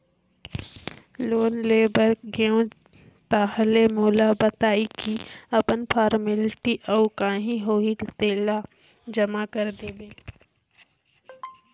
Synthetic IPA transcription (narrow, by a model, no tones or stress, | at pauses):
loːnleːbəɾkɡeõ | t̪aːɦlemoːlabət̪aːikiɐpənpʰaːɾmɪlʈiʔɔːkãːɦĩɦoːit̪eːla | d͡ʒɐmakəɾd̪eːbeː